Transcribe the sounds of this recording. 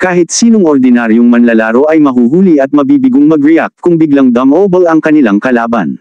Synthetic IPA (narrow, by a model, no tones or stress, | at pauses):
kaːhɪt̪̚siːnoŋoɾd̪ɪnaɾjoŋmɐnlɐlaːɾoʔɐjmɐɦuːɦuːliɐt̪̚mɐbiːbɪɡoŋmɐɡɹɛak̚t̪̚kʊŋbɪɡlɐŋd̪ɐmʔobɐlɐŋkɐnɪlaŋkɐlaːbɐ̰n